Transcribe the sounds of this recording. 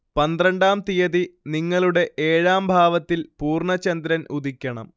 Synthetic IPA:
pɐnd̪rɐɳɖaːmt̪ijɐðiniŋːɐɭuɽe̞ʔeːɻaːmbʱaːʋɐt̪ːilpuːrɳɐt͡ɕːɐnd̪ɾɐnud̪ikʲːɐɳɐ̰m

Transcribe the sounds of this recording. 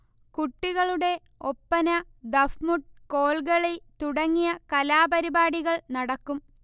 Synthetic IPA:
kuʈːiɣɐɭuɽe̞ | o̞pːɐnɐ | d̪ɐfmuʈko̞ːɭɣɐɭet̪uɽɐŋːijɐkɐlaːbɐɾibaːɽiɣɐɭnɐɽɐkːum

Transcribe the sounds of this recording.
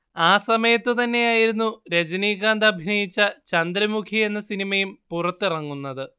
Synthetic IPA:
aːsɐmɐjɐt̪ːɨt̪ɐnːe̞jaːjiɾunːuɾed͡ʑɐniːɣaːnd̪ɐbʱinɐjit͡ɕːɐt͡ɕɐnd̪ɾɐmukʰie̞nːɐsinimɐjumpurɐt̪ːirɐŋːunːɐðɨ

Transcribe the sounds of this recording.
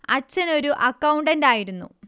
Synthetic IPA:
ɐt͡ɕːɐno̞ɾuʔɐkːɐwuɳɖɐndaːjiɾunːṵ

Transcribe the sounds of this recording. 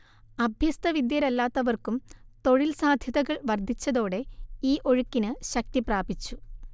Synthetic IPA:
ɐbʱjɐst̪ɐʋid̪jɐɾɐlːaːt̪ːɐʋɐrkumt̪o̞ɻilsaːd̪ʱjɐðɐɣɐɭʋɐrd̪ʱit͡ɕːɐðo̞ːɽe̞iːʔo̞ɻukːinɨɕɐk̚t̪ipraːbit͡ɕːu

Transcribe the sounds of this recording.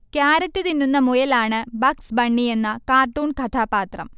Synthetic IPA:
kjaːɾɐtːɨðinːunːɐmojɐlaːɳɨbɐksbɐɳːie̞nːɐkaːrʈːuːɳkʰɐt̪ʰaːpaːt̪rɐ̰m

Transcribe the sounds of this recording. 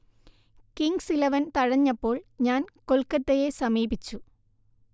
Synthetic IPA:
kiŋɡsilɐʋɐnt̪ɐɻɐɲːɐpːo̞ːɭɲaːnkolkɐt̪ːejesɐmiːbit͡ɕːu

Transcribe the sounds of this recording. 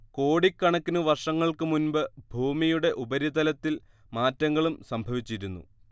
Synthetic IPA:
ko̞ːɽikːɐɳɐkːinuʋɐrʂɐŋːɐɭkɨmunbɨbʱuːmijuɽe̞ʔubɐɾid̪ɐlɐt̪ːil | maːtːɐŋːɐɭumsɐmbʱɐʋit͡ɕːiɾunːṵ

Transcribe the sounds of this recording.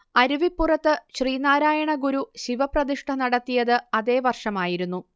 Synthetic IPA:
ɐɾuʋipːurɐt̪ːɨɕriːnaːɾaːjɐɳɐɡuɾuɕiʋɐprɐðiʂʈʰɐnɐɽɐt̪ːijɐðɨɐðe̞ːʋɐrʂɐmaːjiɾunːu

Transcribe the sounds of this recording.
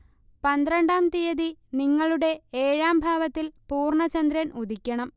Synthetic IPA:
pɐnd̪ɾɐɳɖaːmt̪ijɐðiniŋːɐɭuɽe̞eːɻaːmbʱaːʋɐt̪ːilpuːrɳɐt͡ɕɐnd̪ɾɐnud̪ʱikʲːɐɳɐm

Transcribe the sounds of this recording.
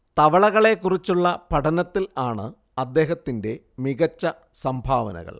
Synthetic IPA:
t̪ɐʋɐɭɐɣɐɭe̞kːurit͡ɕːuɭːɐpɐʈɐnɐt̪ːilaːɳɨ | ɐd̪ːe̞ːɦɐt̪ːinde̞ | miɣɐt͡ɕːɐ | sɐmbʱaːʋɐ̰nɐ̰ɣɐ̰ɭ

